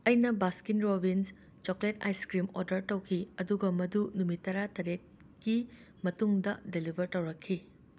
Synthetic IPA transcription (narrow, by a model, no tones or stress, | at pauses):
ɐjnɐbaskinɾobins | t͡ʃokleta̰jskɾimoɾdɐɾtɐwkʰiɐduɡɐmɐdunumitɐɾatɐɾet̚ | ki | mɐtuŋdɐdelibʱɐɾtɐwɾɐkʰːi